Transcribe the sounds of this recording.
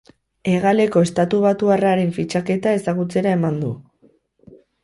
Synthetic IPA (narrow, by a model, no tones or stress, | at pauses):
e̞ɣale̞ko̞e̞st̪at̪uβ̞at̪uaraɾe̞ɱfit͡ʃake̞t̪ae̞saɣut͡se̞ɾae̞mand̪ṵ